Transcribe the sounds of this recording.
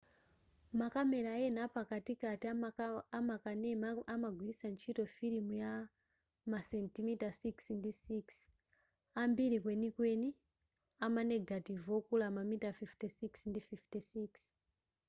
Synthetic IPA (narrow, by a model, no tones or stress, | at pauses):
makame̞ɾaen̤apakatikatiamakanemamaɡʱwiisant͡ʃito̞fiɾimuja | masentimitasiksndisiks | ambiɾik̬we̞nikwe̞ni | amaneɡʱativokulamamitafiftesiksndififtesiks